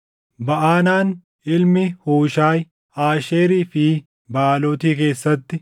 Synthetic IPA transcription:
bɐʔaːnaːn | ʔɪlmɪhuːʃaːj | aːʃeːɾiːfɪ | baːloːt̪iːk̬e̞ːsːɐt̪ːɪ

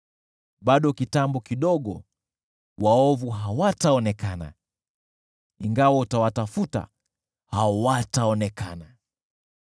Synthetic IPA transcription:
ɓaɗɔkitambɔkiɗɔɠɔ̰ | waɔvuɦawataɔnɛkana̰ | iŋɡawautawatafuta̰ | hawataɔnɛkana

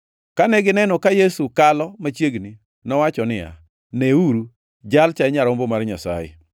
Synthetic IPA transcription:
kanɛɡɪnɛnɔkajesukalɔmat͡ʃjeɡni | nɔwat͡ʃɔnɪa̰ | nɛuɾu | d͡ʒalt͡ʃaɛɲaɾɔmbomarɲasa̰jɛ̰

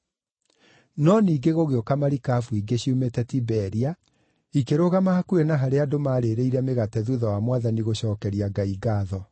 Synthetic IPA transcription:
nɔniːɡeɣoɣeɔkamaɾikafuiɡeɕiumɛtɛtibɛɾia | ikeɾoɣamahakuɾenaɦaɾeadomaːɾeːɾeiɾɛmeɣatɛðuðawamwaðaniɣoɕɔːkɛɾiaɡaiɡaːðɔ

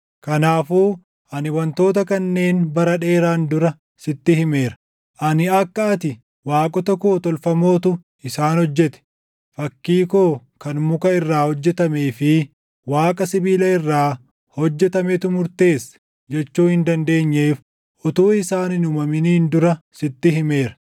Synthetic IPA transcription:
kɐnaːfuː | ʔɐnɪwɐnt̪o̞ːt̪ɐkɐnːe̞ːnbɐɾɐᶑe̞ːɾaːnd̪ʊɾɐ | sɪt̪ːɪhɪme̞ːɾɐ | ʔɐnɪɐkːɐɐt̪ɪ | waːkʼɔt̪ɐkoːt̪ɔlfɐmo̞ːt̪ʊ | ɪsaːnhɔd͡ʒːɛt̪ɛ̥ | fɐkːiːkoːkɐnmʊkɐɪrːaːhɔd͡ʒːɛt̪ɐmeːfɪ | waːkʼɐsɪbiːlɐɪrːaː | hɔd͡ʒːɛt̪ɐmɛt̪ʊmʊɾt̪e̞ːsː | d͡ʒɛt͡ʃːuːhɪnd̪ɐnd̪e̞ːɲːe̞ːf | ʔɔt̪uːɪsaːnɪnʊmɐmɪniːnd̪ʊɾɐsɪt̪ːɪɦɪme̞ːɾɐ̥

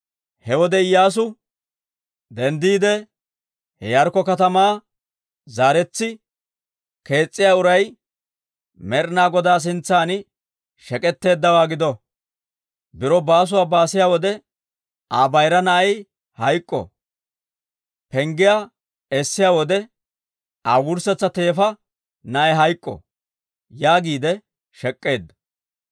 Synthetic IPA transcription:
hɛwɔd̪ɛɪjaːs̬ʊ | d̪ɛnd̪iːd̪ɛ | hɛ̰jɐɾkɔkɐt̪ɐmaː | zaːɾɛt͡sːɪ | ke̞ːt͡sʼːɪjaːʊɾɐj | mɛɾnaːɡɔd̪aːs̬ɪnt͡sːaːn | ʃɛkʼɛt̪ːe̞ːd̪ːɐwaːɡɪd̪ɔ | bɪɾɔbaːs̬ʊwaːbaːsɪjaːwɔd̪ɛ | ʔaːbɐjɾɐnɐʔɐj | hɐjkʼːɔ̰ | pɛŋɡɪjaː | ɛsːɪjaːwɔd̪ɛ | ʔaːwʊɾsɛt͡sːɐt̪e̞ːfɐ | nɐʔɛɦɐjkʼːɔ̰ | jaːɡiːd̪ɛ | ʃɛkʼːe̞ːd̪ːɐ

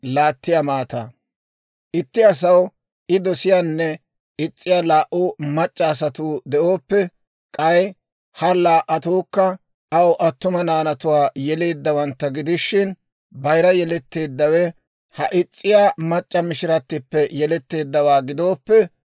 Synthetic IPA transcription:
laːt̪ːɪjamaːt̪ɐ̰ | ʔɪt̪ːɪɐs̬ɐw | ʔɪd̪ɔsɪjaːnːɛ | ɪt͡sʼːɪjaːlaːʔumɐt͡ʃʼːɐːs̬ɐt̪uːd̪ɛʔoːpːɛ | kʼɐj | hɐlaːʔɐt̪uːkːɐ | ɐwʔɐt̪ːʊmɐnaːnɐt̪ʊwaːjɛle̞ːd̪ːɐwɐnt̪ːɐɡɪd̪ɪʃːɪn | bɐjɾɐjɛlɛt̪ːe̞ːd̪ːɐwɛ | hɐʔɪt͡sʼːɪjaːmɐt͡ʃʼːɐmɪʃɪɾɐt̪ːɪpːɛjɛlɛt̪ːe̞ːd̪ːɐwaːɡɪd̪o̞ːpːɛ

